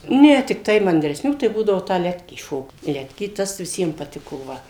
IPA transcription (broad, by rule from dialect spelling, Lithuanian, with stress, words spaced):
nʲɛ tʲɪkˈtɐɪ mɐnʲdʲrʲɛsʲˈnʲuː tɐɪ buːdɐʋoː tɑː ˈlʲæːtʲkʲiː ˈʃoːkt ˈlʲæːtʲkʲiː ˈtɐs ʋʲɪˈsʲiɛm pɐˈtʲɪkoː ˈʋɐ